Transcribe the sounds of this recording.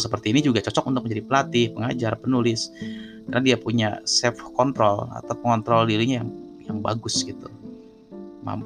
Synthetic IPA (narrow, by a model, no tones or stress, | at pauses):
səpərt̪iːnid͡ʒuɡat͡ʃɔt͡ʃɔkunt̪ʊk̚əɲd͡ʒadipəlat̪ɪhpəŋad͡ʒarpənulɪskərnadiapuɲa̰sɛfkɔnt̪ɾɔla̰t̪awpəŋɔnt̪ɾɔldiɾiɲajaŋjaŋba̰ɡʊsɡit̪ṵ | ma̰mp